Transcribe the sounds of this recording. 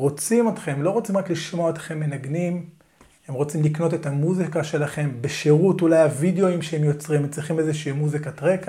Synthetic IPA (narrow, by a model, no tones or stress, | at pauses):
ʁo̞t͡simotχe̞mlo̞ʁot͡simʁakliʃmo̞aet̪χe̞mːe̞naɡnim | he̞mʁo̞t͡simlikno̞te̞thamuzikaʃe̞laχe̞mbeʃeʁutulajavideo̞imʃeemjo̞t͡sʁimemt͡siχimezeʃiimuzikatʁeka